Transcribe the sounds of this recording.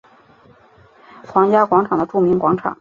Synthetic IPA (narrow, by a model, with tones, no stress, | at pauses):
xʰwɑ˧˥ŋt͡ɕja˥kwɑ˧˥ŋʈ͡ʂʰɑ˨˩ŋd̪ə˦ʈ͡ʂu˥˩mi˧˥ŋkwa˧˥ŋʈ͡ʂʰɑ̰˨˩˦